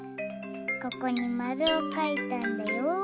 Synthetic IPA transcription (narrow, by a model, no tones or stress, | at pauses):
kokonimaɾokajt̪and̪eo